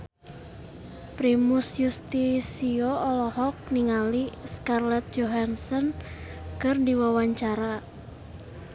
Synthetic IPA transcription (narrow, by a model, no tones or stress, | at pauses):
pɾimusjust̪isiɔɔlɔhɔk̚niŋaliskarlɛt̪̚d͡ʒoɦansɔnkərnd̪iwawaɲt͡ʃaɾa